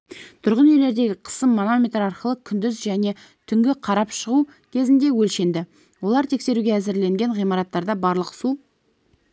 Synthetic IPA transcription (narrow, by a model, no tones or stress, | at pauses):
t̪ʰʊɾʁənejle̞ɾd̪e̞ɡʲɪqʰə̥səmːono̞mʲejt̪ɾɑɾqəlˠəkʲʰʏnd̪ɪzʒæne̞ | t̪ʰʏŋɡʲɪqʰɑɾɑpʃəʁu | kʲʰe̞zɪnd̪e̞wɵlʃe̞nd̪ɪ | wo̞lˠɑɾt̪ʰe̞kse̞ɾuɡʲeæzɪɾle̞ŋɡʲe̞ɴʁijmɑɾɑt̪ːɑɾd̪ɑbɑɾlˠəqsu